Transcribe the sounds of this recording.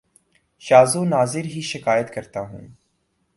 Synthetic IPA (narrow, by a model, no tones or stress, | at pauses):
ʃaːzũnaːzɪɾɦiːʃɪkaːjət̪kɐɾt̪aːɦṵ̃ː